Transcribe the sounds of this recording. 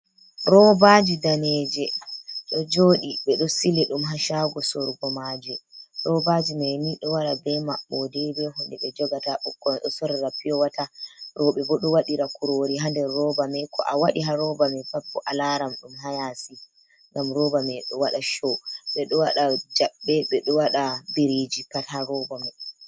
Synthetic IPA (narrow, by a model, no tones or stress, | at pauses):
ɾɔbad͡ʒidanɛːd͡ʒɛɗɔd͡ʒoːɗiɓɛɗɔsilɛɗumɦaʃaɡɔsɔɾɡɔmad͡ʒɛɾɔbad͡ʒimɛniɗɔwaɾabɛmaɓːɔdɛbɛhɔnɗɛɓɛd͡ʒɔɡataʔɔkːɔnɗɔsɔɾɾapijɔwataɾɔɓɛbɔɗɔwaɗiɾakuɾoɾiɦandɛɾːɔbamɛkʰɔ̰ʔawaɗiɦaɾɔbamɛfapːɔʔalaɾamɗumɦajasi | ŋɡamɾɔbamɛɗɔwaɗaʃɔɓɛɗɔwaɗad͡ʒaɓːɛɓɛɗɔwaɗabiɾid͡ʒikathaɾɔbɔmɛ